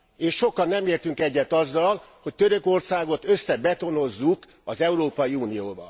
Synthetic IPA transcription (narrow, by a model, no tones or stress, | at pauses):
eːʃʃo̞kɒnːɛmeːrt̪yŋkɛɟːɛt̪ːɒzːɒlho̞c̚t̪øɾøko̞rsaːɡo̞t̪øsːɛbɛt̪o̞no̞zːuk | ɒzɛuɾoːpɒjiuːnijoːbɒ̰